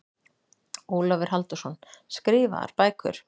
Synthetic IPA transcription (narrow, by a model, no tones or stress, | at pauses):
uːlɔvɪɾ̥ɦalt̪ʏ̥sɔnskɾɪːva̰a̰ɾ̥paːjkʰʏ̰ɾ̥